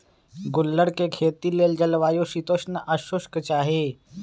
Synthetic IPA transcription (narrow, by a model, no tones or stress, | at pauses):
ɡʊlːəɽkekʰeːt̪ileːld͡ʒəlʋaːjoʃit̪oːʃnəʔəʃʊʃkt͡ʃaːɦeː